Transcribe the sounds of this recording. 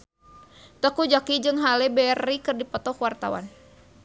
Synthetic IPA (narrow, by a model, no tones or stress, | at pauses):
t̪əkud͡ʒakid͡ʒɨŋɦalɛbɛrːikɨrdipɔt̪ɔkwart̪a̰wa̰n